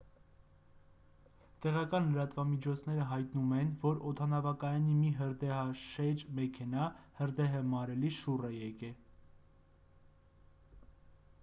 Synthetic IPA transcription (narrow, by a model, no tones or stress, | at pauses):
t̪ɛʁɑkɑnləɾɑt̪vɑmit͡ʃʰɔt͡sʰn̪ɛɾəɦɑjt̪numɛnvɔɾɔt̪ʰɑnɑvɑkɑjɑnimiɦəɾd̪ɛɦɑʃɛd͡ʒmɛkʰɛnɑhəɾd̪ɛɦəmɑɾɛliʃurɛjɛkɛ